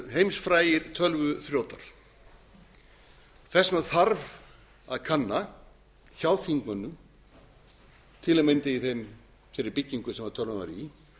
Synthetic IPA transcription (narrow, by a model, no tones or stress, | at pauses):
ɦejmsfɾaːjɪɾ̥t̪ʰœlvʏθɾjowt̪a̰ɾ̥ | θɛsmaðθaɾv | aðkʰanːa | çawðθiŋkmanːʏm | t̪ʰɪlɛmejnt̪ɪiθejm | fɪɾɪɾpɪcːiŋkʏsɛmvaɾ̥t̪ʰœlvʏnaɾi